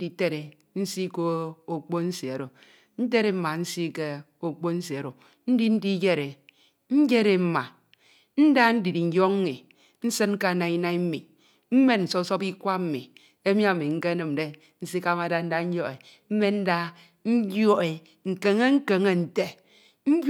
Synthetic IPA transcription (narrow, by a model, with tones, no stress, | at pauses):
di˨te˦ɾe˨ | n̩˦si˦ko˦o˨k͡po˦n̩˦se˨e˨ɾo˨ | n̩˦t̬e˦ɾe˨m̩˦ma˨n̩˦si˦ke˦o˨k͡po˦n̩˦se˨e˨ɾo˨ | n̩˦di˦n̩˦di˦d͡ʒe˦ɾe˨ | n̩˦d͡ʒe˦ɾe˨m̩˦ma˨ | n̩˦da˦n̩˦di˨di˨n̩˨˦jo˦kŋ˦ŋi˨ | n̩˦sɨ˦n̩˦ka˦˨na˨i˦na˦i˦m̩˦mi˨ | m̩˦me˦nn̩˨so˦so˦pi˦kʷa˦m̩˨mi˨ | e˦mi˦a˨mi˨ŋ̩˦ke˦nɨ˨m˨de˦ | n̩˦si˦ka˦ma˨da˦n̩˦da˦n̩˦jo˦e˨ | m̩˦me˦n̩˦da˦ | n̩˦jo˦ʔe˨ | ŋ̩˨ke˨ŋe˦ŋ̩˦ke˨ŋe˦n̩˨te˦ | m̩˦b